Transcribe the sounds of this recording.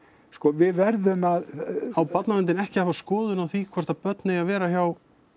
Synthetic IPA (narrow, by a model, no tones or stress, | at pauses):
skɔvɪðvɛɾðʏmaðawpat̪navɛnt̪̬ɪnɛhcɪhaːvaskɔːðʏnawθikʰvɛɾ̥t̪apœt̪nɪɣaðvɛːɾaçjaw